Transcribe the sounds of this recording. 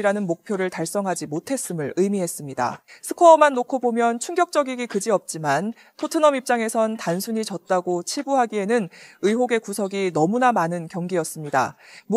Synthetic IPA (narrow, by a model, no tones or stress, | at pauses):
ɾanɯnmok̚pʰjoɾɯɭtaɭs͈ʌŋɦad͡ʑimotʰe̞s͈ɯmɯɭɯjmiɦe̞s͈ɯmɲida̰sʰɯkʰʌːmanːokʰobomjʌnt͡ɕʰuŋɡjʌk̚t͡ɕ͈ʌɡiɡikɯd͡ʑiʌp̚t͡ɕ͈iman | tʰotʰɯnʌmip̚t͡ɕ͈aŋe̞sʰʌntansʰuɲit͡ɕʌt̚t͈aɡot͡ɕʰiɭbuɦaɡie̞nɯnɯjɦoɡe̞kusʰʌɡinʌmunamanɯnkjʌŋɡiʌs͈ɯmɲida̰m